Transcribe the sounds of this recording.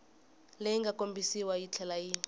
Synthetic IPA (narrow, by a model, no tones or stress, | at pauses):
lejiŋɡʱakʼombʱisiwajit͡ɬʰɛlaji